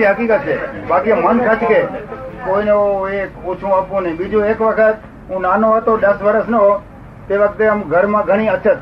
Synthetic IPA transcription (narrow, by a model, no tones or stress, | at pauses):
iɦəkiːkət̪̚t͡ʃʰeːɓakimənsʰət͡ʃkekoinoekot͡ʃʰũaːpũnĩɓid͡ʒũeːkʋəkʰət̪ | ɦũnanoɦot̪oɗ̪əsʋəɾəsnəɦo | t̪eːʋək̚t̪eəmɡʱəɾmãːɡʱəɽ̃iət͡ʃʰət̪